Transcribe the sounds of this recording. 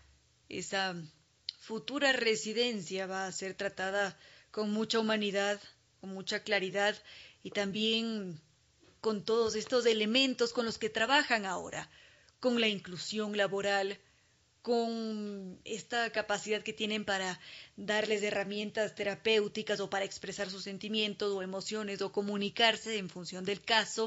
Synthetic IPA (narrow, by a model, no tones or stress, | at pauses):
e̞̰sa | fut̪uɾare̞siðe̞nsjaβaːse̞ɾt̪ɾat̪að̞ako̞nmut͡ʃaumaniðað | konmut͡ʃaklaɾiðaðit̪ambje̞ŋ | ko̞nt̪o̞ðo̞se̞st̪o̞se̞le̞mẽ̞nt̪o̞sko̞nlo̞ske̞t̪ɾaβaxaŋao̞̰ɾa̰ | ko̞nlaiŋklusjo̞ŋlaβo̞ɾal | ko̞n | e̞st̪akapasiðaðke̞t̪je̞nẽ̞mpaɾaðaɾle̞s̬e̞ramje̞nt̪ast̪e̞ɾape̞wt̪ikaso̞paɾae̞kspɾesaɾs̬usːe̞nt̪imje̞nt̪o̞so̞e̞mo̞sjo̞ne̞so̞ko̞mũnikaɾse̞ːɱfunsjo̞nd̪e̞lkaso̞